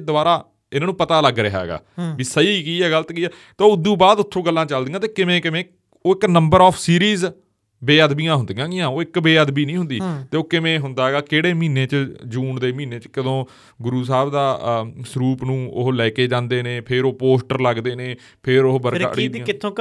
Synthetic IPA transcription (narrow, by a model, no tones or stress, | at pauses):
d̪ʊaːɾaː | ɪnãːnũːpət̪aːləɡɾəɦa̰ːɡa̰ːʋiːsəiːkiːɛːɡələt̪kiːɛː | t̪eoːʊd̪ːũːbaːd̪ʊt̪ʰːõːɡəlːãːt͡ʃəld̪iːãːt̪eːkɪmẽːkɪmẽː | oːɪknəmbəɾɔːpʰsiːɾiːz | beːəd̪bijãːɦʊnd̪ĩːãːɡɪjãːoːɪkbeːəd̪biːnĩːɦʊ̃nd̪iːt̪eːoːkɪmẽːɦʊnd̪aːɦɛɡaːkeːɽeːmĩːneːt͡ʃd͡ʒuːɳd̪eːmĩːneːt͡ʃkəd̪õː | ɡʊɾuːs̬aːbd̪aːsɾuːpnũːʊ̰ɦlɛːkeːd͡ʒãːnd̪eːnẽːpʰɪɾoːpoːsʈəɾləɡd̪eːneː | pʰɪɾʊbəɾkːə̰ɽiːd̪̃ãɪt̪ʰːõː